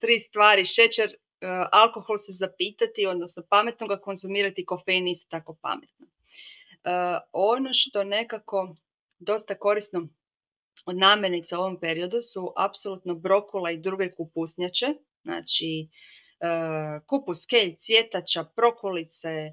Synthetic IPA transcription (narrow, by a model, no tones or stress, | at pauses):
t̪ɾiːst̪ʋaːɾiʃe̞t͡ʃeɾ | alˠko̞xo̞lˠse̞zapiːt̪at̪io̞d̪nosnopame̞t̪noɡako̞nzumiːɾat̪iko̞fejnist̪ot̪ako̞pa̰met̪no | əono̞ʃt̪o̞ne̞kako̞ | d̪o̞st̪ako̞ɾist̪no | od̪naːmjeɾnit̪seuo̞ʋo̞mpe̞ɾio̞d̪usuʔapsolut̪nobɾo̞kuleid̪ɾuɡe̞kupusɲat͡ʃe | zna̰ːt͡ʃi | kupuskeʎt̪sʋje̞t̪at͡ʃapɾo̞kolit̪se